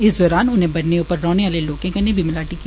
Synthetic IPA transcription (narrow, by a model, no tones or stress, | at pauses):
ɪsd̪ɔːɾaːnʊnɦẽbɐɽneuːpəɾːɔːneʋaːleloːkẽkɐnẽbʱimɪlaːʈiki